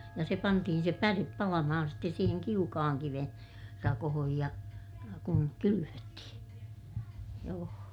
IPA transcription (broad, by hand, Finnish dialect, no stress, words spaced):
jɑ se pɑntihin̞ se pærep pɑlɑmɑhɑn ste siːheŋ kiukɑhɑŋ kiʋen rɑkohoj jɑ kuŋ kylyʋøtːihĩː joː